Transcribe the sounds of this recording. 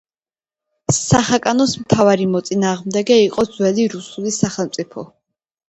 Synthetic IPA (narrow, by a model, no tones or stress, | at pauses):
saχakʼanɔsmt̪ʰavaɾimɔt̪sʼinaːʁmd̪ɛɡɛiqʼɔd̪zwɛliɾusulisaχɛlˠmt̪sʼipʰɔ